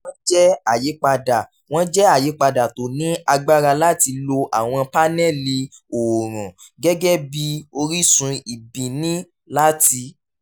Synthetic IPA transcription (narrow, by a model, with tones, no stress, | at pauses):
wɔ̃˦d͡ʒɛ˦a˦˨je˨˦k͡pa˧da˨ | w̃ɔ̃˦d͡ʒɛ˦a˦˨je˨˦k͡pa˧da˨to˨nĩ˦a˧ɡ͡ba˦ɾa˧la˦ti˧lo˧ʔa˨w̃ɔ̃˧pa˦nɛ˦˨li˧o˨ɾ̃ɔ̃˨ | ɡɛ˦ɡɛ˦bi˧o˧ɾi˦sũ˧i˨bĩ˨nĩ˦ | la˦ti˧